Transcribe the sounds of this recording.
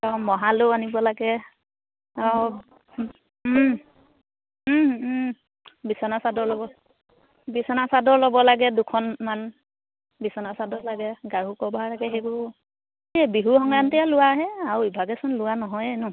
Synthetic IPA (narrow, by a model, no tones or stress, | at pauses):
amɔɦaloanibɔlaɡɛ | a | bisɔnasadɔɹlɔbɔ | bisɔnasadɔɹlɔbɔlaɡɛdukʰɔnman | bisɔnasadɔlaɡɛɡaɹukɔbʱalaɡɛɦebɔ | ebiɦuxɔŋɹantɛjalʊwaɦɛaɹuibʱaɡɛsɔnlʊwanɔɦɔjɛnɔ